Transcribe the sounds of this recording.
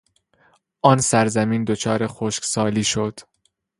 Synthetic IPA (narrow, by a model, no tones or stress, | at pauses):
ʔɒːnsæɾzæmiːnd̪ot͡ʃʰɒːɾe̞xoːʃksɒːliːʃod̪̥